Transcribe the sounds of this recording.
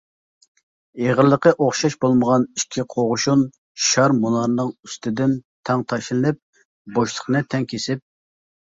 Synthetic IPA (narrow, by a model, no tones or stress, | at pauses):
eʁəɾlːˠəqəʔoχʃɑʃbolˠməʁɑniʃkʲʰːiqʰoʁʊʃun | ʃɑɾmunɑɾnɨŋyst̪ɪd̪ɪnt̪ʰɛŋt̪ʰɑʃlɨnɨp̚ | boʃlˠə̥χnɨt̪ʰɛŋkʲʰesɪp̚